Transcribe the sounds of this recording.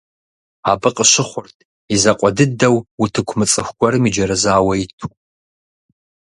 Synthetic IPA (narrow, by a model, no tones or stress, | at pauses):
abɨqʼəʃɪχʷʊrtʰʼ | izɐqʷʼɔdɨdɐwutʰɨkʷʰmɨt͡sʼɨxʷɡʷɔɾɨmid͡ʒɐɾɐzaːwɐitʰu̥